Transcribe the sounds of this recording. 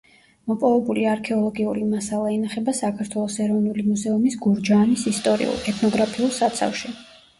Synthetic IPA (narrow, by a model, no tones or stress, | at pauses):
mɔpʼɔvɛbuliaɾkʰɛɔlˠɔɡiuɾimasalˠaɛnaχɛbasakʰaɾt̪ʰwɛlˠɔsɛɾɔvnulimuzɛumisɡuɾd͡ʒaːnisist̪ʼɔɾḭṵlˠɛt̪ʰnɔɡɾapʰiulˠsat̪sʰa̰fʃi